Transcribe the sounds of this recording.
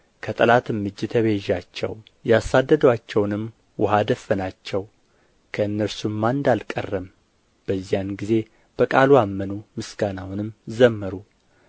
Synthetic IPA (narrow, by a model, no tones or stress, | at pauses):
kʰət̪ʼəlat̪ɨmːɨd͡ʒːt̪ʰəβeʒːat͡ʃːɛ̰w | jasad̪ːəd̪əwat͡ʃːɛwnɨm | wʊɦad̪əfːənat͡ʃːɛw | kʰəɨnːəɾsumːand̪alkʼə̰rːəm | b̥əzːijanɡize̞ | b̥əkʼaluamːənumɨsɡ̥anawnɨmzəmːəɾu